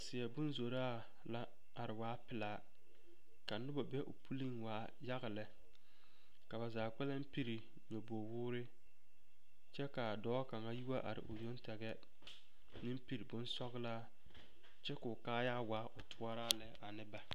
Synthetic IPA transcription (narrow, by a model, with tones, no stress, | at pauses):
sɪ˨ɛ˨bʊ˦nzo˨ɾaː˦ | la˦ | a˨ɾɪ˨waː˦pɪ˨laː˨ | ka˨nʊ˦ba˨bɛ˦ʔʊ̰˨pʰu˦li˦ŋwaː˨˦ | ja˦ɣɪ˨lɛ˨ | ka˨ba˨zaː˨k͡pɛ˦la˦m˦pi˦ɾi˨ | ɲo˨bo˨wʊː˦ɾɪ˦ | t͡ʃɛ˦ka˨dɔː˨˦ka˨ŋa˦ju˦wa˦ʔa̰˨ɾɪ̰˨ʔʊ̰˨jo˦ntɛ˨ɣɛ˦ | nɪ˦mpi˨ɾi˨bʊ˦nsɔ˦ɣlaː˦ | t͡ʃɛ˦kʊ˨kaː˦jaː˦waː˨˦ʔʊ˨tʰʊ˦a˦ɾaː˦lɛ˦a˨nɪ˦ba˨